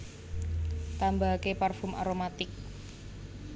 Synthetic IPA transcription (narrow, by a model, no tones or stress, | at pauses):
t̪ambakeparfʊmʔa̰ɾomat̪ɪk̚